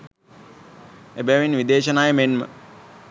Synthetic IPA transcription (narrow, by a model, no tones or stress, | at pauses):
ebɛʋinʋid̪eːʃənaːjəmenmə̰